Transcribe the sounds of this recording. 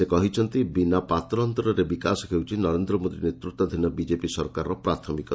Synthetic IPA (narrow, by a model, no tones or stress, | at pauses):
ekɔɦit͡ʃʰɔnt̪ibinapat̪ɾɔnt̪ɔɾɔɾebikasɔkʰewt͡ʃʰinɔɾend̪ɾɔmod̪inet̪ɾut̪ːɔd̪ʱinɔbid͡ʒepisɔɾkaɾɔpɾat̪ʰɔmikɔ